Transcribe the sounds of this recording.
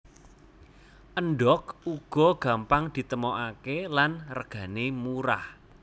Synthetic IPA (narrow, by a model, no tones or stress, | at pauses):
ʔənɖɔk̚uɡ̥ɔ̤ɡ̥a̤mpaŋd̪̥i̤t̪əmoʔakelanrəɡ̥a̤nemuɾa̰h